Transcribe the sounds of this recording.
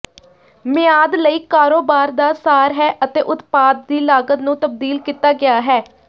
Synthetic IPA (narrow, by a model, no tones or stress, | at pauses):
mɪaːd̪ləiːkaːɾoːbaːɾd̪aːsaːɾɦɛːʔət̪eːʔʊt̪paːd̪̚ːiːlaːɡət̪nũːt̪əb̚d̪iːlkiːt̪aːɡɪaːɦɛː